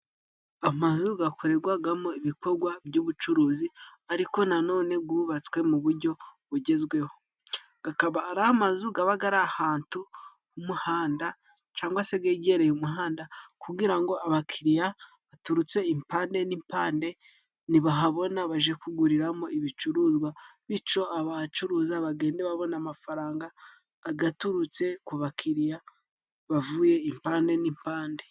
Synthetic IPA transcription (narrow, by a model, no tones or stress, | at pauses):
amazuɡakuɾe̞ɡwaɡamo̞iβiko̞ɾɡwabɟuːβut͡ʃuɾuːziaɾiko̞nano̞ːne̞ɡuβat͡swe̞muβuɾɟo̞βuɟe̞zɡwe̞ho̞ | ɡ̥akaβaːɾahamazuɡaβaɡaɾahaːntu | umuhaːnda | t͡ʃaːŋɡwase̞ɡeɟe̞ɾejumuɦaːndakuɡiɾaŋɡo̞aβakʰiɾija | βatuɾut͡se̞impaːnde̞nimpaːnde̞ | niβaɦaβo̞naβaʒekuɡuɾiɾamo̞iβit͡ʃuɾuːzɡwaβit͡ʃo̞aβat͡ʃuɾuzaβaɡe̞ːndeβaβo̞namafaɾaːŋɡaː | ɡatuɾut͡se̞kuβakʰiɾija | βavuje̞impaːnde̞nimpaːnde̞